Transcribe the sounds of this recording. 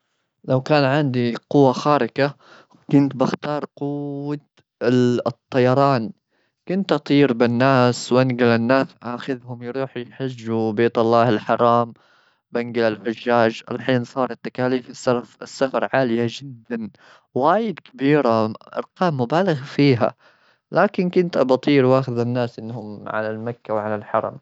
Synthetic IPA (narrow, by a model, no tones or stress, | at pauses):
lawkaːnʕɪnd̪iqʊwːaxaːɾɪka | kʊnt̪bɪxt̪ɑːɾˤqʊwːat̪ | t̪ˤːɑjɑɾˤɑːn | kʊnt̪ʔɑt̪ˤiːɾbɪnːaːswʔanɡɪlɪnːaːsʔaxɪðhʊmjɾuːħjħɪd͡ʒːubeːt̪ɑlˤːɑːhɪlħɑɾˤɑːm | banɡɪlɪlħʊʒːaːd͡ʒʔa̰lħiːnsˤɑːɾˤɑt̪ːakaːliːfɪsːɑɾfɪsːafɑɾˤʕaːlɪjad͡ʒɪd̪ːan | waːjɪd̪kɪbiːɾaʔɑ̰ɾˤqɑːmːʊbaːlɪɣfiːɦa̰ | lʔaːkɪnkʊnt̪ʔɑbɑt̪ˤiːɾwʔaːxɪðanːaːsʔɪnːhʊmʕa̰lalmakːawʕalalħɑ̰ɾˤɑ̰m